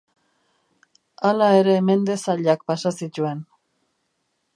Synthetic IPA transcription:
alae̞ɾe̞ːme̞nd̪e̞saʎakpasasit̪ue̞n

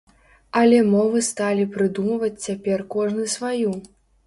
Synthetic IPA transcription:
ɐlʲɛmɔvɨst̪alʲipɾɨd̪umɐvɐt͡sʲt͡sʲapʲɛrkɔʐnɨsvaju

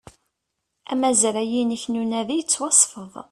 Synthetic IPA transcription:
æmæzɾæjinəçnunæðijət͡sːwɑsˤfəðˤ

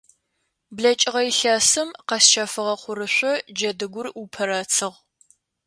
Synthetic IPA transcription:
bɮɐt͡ʃʼɪʁɐjɬaːsɨmqɐsʃaːfɨʁɐχʷʊɾɨɕʷɔd͡ʒɐdɨɡʷʊrupʰɐɾaːt͡sʰɨʁ

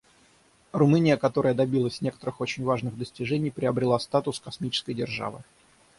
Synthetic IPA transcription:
rʊmɨnʲɪjəkɐt̪o̞ɾəjəd̪ɐbʲilˠəsʲnʲe̞kə̥t̪əɾɨxo̞t͡ɕɪnʲvaʐnɨɣd̪əsʲtʲɪʐɛnʲɪjpɾʲɪɐbɾʲɪlˠast̪at̪ʊskɐsmʲit͡ɕɪ̥skəjdʲɪrʐa̰vɨ̰

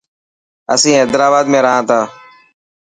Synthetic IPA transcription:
ə̰sĩːeːd̪ɾaːbaːd̪mẽːɾəɦãːt̪ʰaː

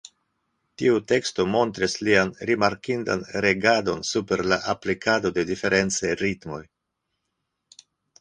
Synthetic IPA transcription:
tiute̞ksto̞mo̞nt̪ɾislianɾimaɾkinda̰nɾe̞ɡado̞̰nsupe̞ɾlaʔaplikado̞de̞dife̞ɾʔe̞nt͡seɾitmo̞̰j

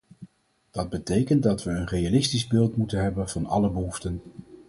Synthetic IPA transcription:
d̥ɑd̚bətejkəntdɑtʋəːnrejalɪstizbɪːlˠtmutənɦɛbənv̥ɑnɑ̰ləbəɦuftən

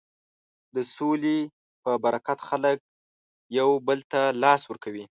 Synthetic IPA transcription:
d̪əsole | pəbaɾakat̪xalək̚ | jawbəlt̪alɑswəɾkawi

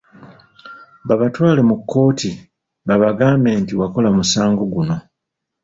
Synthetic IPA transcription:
βaβatwaːle̞mukʰːo̞ːtʰi | βaβaɡaːmbe̞ːntiwako̞lamusaːŋɡoɡuno̞

